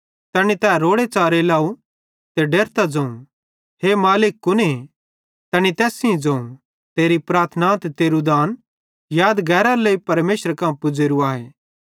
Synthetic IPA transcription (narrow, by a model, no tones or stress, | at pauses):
t̪ɛːɽ̃it̪ɛːɾoːɽet͡saːɾelaːu | t̪eɖeːɾt̪ad͡zɐ̃ũ | ɦemaːlɪkːʊne | t̪ɛːɽ̃it̪ɛːsĩĩd͡zɐ̃ũ | t̪eːɾipɾaːɾt̪ʰnãt̪t̪eːɾud̪aːn | jaːd̪ɡɛːɾaleːipɐɾmeːʃəɾkãpʊd͡zeːɾuaːɦeː